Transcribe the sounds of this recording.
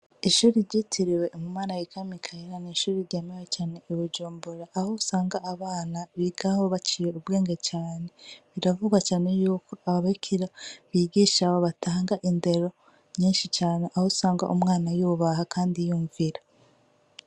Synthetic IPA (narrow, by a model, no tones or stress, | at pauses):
iʃuːɾiɾɟiːtʰiɾiwe̞ʔmumaːnajikʰamikʰajiɾaniːʃuːɾiɾɟemewet͡ʃaːne̞ʔiβud͡ʒuːmbuɾaʔːhousaːŋɡaʔːβaːnaβiɡaho̞βat͡ʃiːjeubɡeːŋɡet͡ʃaːne̞βiɾavuɡwat͡ʃaːne̞juːkoʔahoβaikʰiɾaβiɡiːʃaβoβatʰaːŋɡaʔinde̞ɾo̞ | ɲiːnʃit͡ʃaːne̞ʔahousaːŋɡa̰ʔumŋaːnajuβahakʰaːndijuːɱviɾa